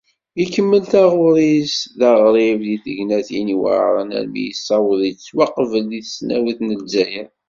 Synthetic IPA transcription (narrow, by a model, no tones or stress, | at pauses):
ikːəmːəlθæʁʊɾˤisðɑʁɾˤivðiθəʝnæθiniwə̰ɾˤə̰næ̰ɾmḭjəsˤːɑwðit͡sːwɑqvəlðiθə̥snæwiθnəlzːæjə